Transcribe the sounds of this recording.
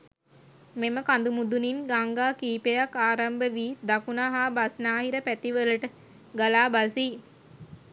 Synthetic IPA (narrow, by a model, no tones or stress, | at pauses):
meməkand̪umud̪uninɡaŋɡaːkiːpejakːaːɾambəʋiːd̪akunaɦaːbasnaːɦiɾəpæt̪iʋələʈə | ɡalaːbasi